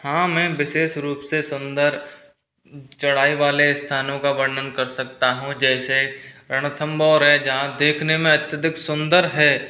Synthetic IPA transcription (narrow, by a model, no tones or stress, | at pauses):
hãːmɛ̃ːʋɪʃeːʃɾuːpsesʊ̃nd̪əɾ | t͡ʃɐɽ̤aːiʋaːlest̪ʰaːnõkabɐɾnənkɐɾsɐkt̪aɦũd͡ʒɛːseɾɐɽ̃ət̪ʰə̃mbɔːɾɦɛd͡ʒɐɦãd̪eːkʰnemẽɐt̪jəd̪ʱɪksʊ̃nd̪əɾɦɛː